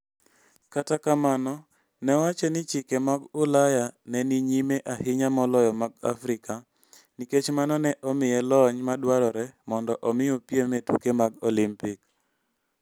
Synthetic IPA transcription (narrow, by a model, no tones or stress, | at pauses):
katakamanɔ | nɛwat͡ʃɛnɪt͡ʃɪkemaɡʊlajanɛniɲimeʔahɪɲamɔlɔjɔmaɡ̚afɾɪka | niket͡ʃmanɔnɛʔɔmɪjɛlɔɲmadwaɾɔɾɛmɔndɔʔɔmɪopjemetṵkemaɡolimpik